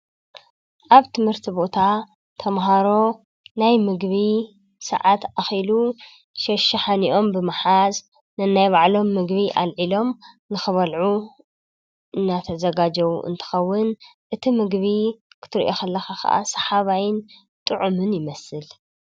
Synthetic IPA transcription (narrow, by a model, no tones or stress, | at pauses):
ʔaβt̪ʰɨmhɨɾt̪ʰibo̞t̪ʰa | t̪ʰɐmɦaɾo̞ | najmɨɡβi | sɐ̰ʕat̪axilu | ʃɐʃɐħaniʔo̞mbɨmaħaz | nɐnːajβaʕlo̞mːɨɡβiʔa̰lʕilo̞m | nɨxɨβɐlʕu | ɨnːat̪ʰɐzɐɡad͡ʒɐwuʔɨ̰nt̪ʰɨ̥xɐwːɨnʔɨt̪ʰimɨɡβikʰɨ̥t̪ʰɨɾiʔoxɐlːɐxaxɐ̰ʔa̰sɐ̥ħaβajɪn | t̪ʼɨʕumɨnjɪmɐsɨl